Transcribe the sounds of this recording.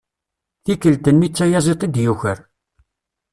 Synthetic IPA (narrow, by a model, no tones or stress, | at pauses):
θikəlt̪ənːit͡sːæjæzˤet̪ˤid̪juçəɾ